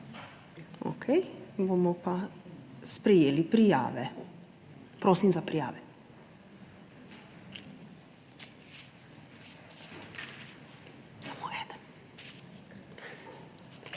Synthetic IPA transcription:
o̰kʰɛjbomɔpa | spɾɛjeːlipɾija̰ːʋɛ | pɾoːsimzapɾija̰ːʋɛ | samoɛd̪ən

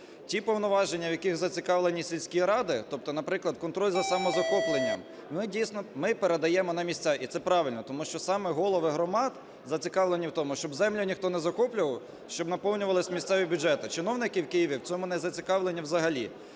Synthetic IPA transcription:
tʲipɔwnɔʋɑʒenʲːɐwjɐkɪxzɐt͡sʲikɑʋlˠenʲisʲilʲsʲkʲiɾɑd̪ɪt̪ɔp̚t̪ɔnɐpɾɪklˠɐd̪kɔnt̪ɾɔlʲzɐsɐmɔzɐxɔplˠenʲːɐ̰m | mɪdʲijsnɔmɪpeɾed̪ɐjɛmɔnɐmʲisʲt̪ʲt͡sʲɑit̪sɛpɾɑʋɪlʲnɔt̪ɔmuʃt͡ʃɔsɑmɛɦɔlˠɔʋɪɦɾɔmɑd̪ | zɐt͡sʲikɑʋlˠenʲːiwt̪ɔmʊʃt͡ʃɔbzɛmlʲʊnʲixt̪ɔnɛzɐxɔplʲʊʋɐw | ʃt͡ʃɔbnɐpɔwnʲʊʋɐlˠɪsʲmʲisʲt̪sɛʋʲibʲʊd͡ʒɛt̪ɪt͡ʃɪnɔwnɪkɪwkɪjiʋʲiwt͡sʲɔmʊnɛzɐt͡sʲikɑʋlˠenʲːiwzɐɦɐlʲḭ

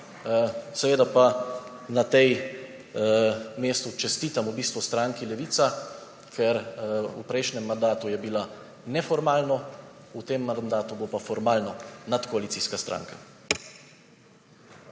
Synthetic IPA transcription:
sɛʋeːd̪apa | nat̪ɛj | meːst̪ut͡ʃɛst̪iːt̪amubiːst̪ʋɔst̪ɾaːŋkilɛʋiːt̪sa | kʰɛɾṵpɾɛjʃnɛmːand̪aːt̪ujɛbila | nɛfɔɾmaːlnɔut̪emːand̪aːt̪ubopafɔɾmaːlnɔnat̪kɔalit̪siːskast̪ɾʔa̰ːŋka

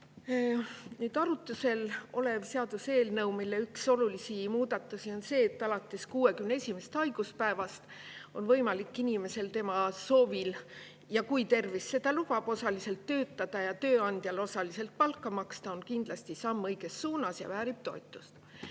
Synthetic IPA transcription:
nyːd̪̥ɑɾut̪ːˑuse̞lo̞le̞vse̞ɑd̪̥use̞ːlnɤwmilːe̞ykso̞lulisimuːd̪̥ɑt̪ːˑusio̞nse̞ːt̪ːˑɑlɑt̪ːˑe̞skuːe̞kymneesʲime̞st̪ɑjɡ̥uspæe̞vɑst̪ | o̞nvɤjmɑlikːˑinime̞se̞lt̪e̞mɑso̞ːvil | jɑkujt̪e̞rvisːe̞d̪̥ɑlub̥ɑb̥o̞sɑlise̞lt̪ːø̞ːt̪ˑːɑd̪̥ɑjɑt̪ø̞ːɑnd̪̥jɑlo̞sɑlise̞lt̪̚pɑlkːɑmɑkst̪ɑo̞nkind̪̥lɑst̪isɑmːɤjɡ̥e̞sːuːnɑsjɑ̰væːɾib̥̚t̪o̞et̪ːˑu̥st̪

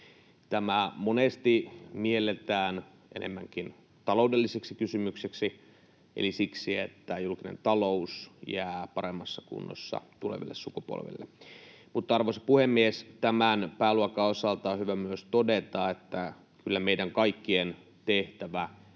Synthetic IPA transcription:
t̪æmæmonest̪imielːˑet̪æːn | ʔḛnḛmːæŋkin | t̪ɑloudelːiseksikysymykseksi | ʔelisiksiet̪ːæjulkinḛnt̪ɑlousjæːpɑɾemːɑsːɑkṵnːo̰sːɑ̰t̪ulḛʋḭlːessukupo̰lʋḛlːḛ | mut̪ːɑɑrʋosɑ̥puhemːiest̪æmænpæːluɑkɑosɑlt̪ɑohyʋæmyøst̪odet̪ɑet̪ːæ | kylːæmeidæŋkɑikːien | t̪eht̪æʋæ

